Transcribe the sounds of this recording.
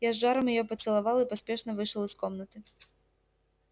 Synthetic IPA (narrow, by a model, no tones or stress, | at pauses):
jazːaɾɐmjajɔpɐt̪sɨlˠavalˠipasʲpʲɛʂnɐvɨʂlˠɨskɔmnɐt̪ɨ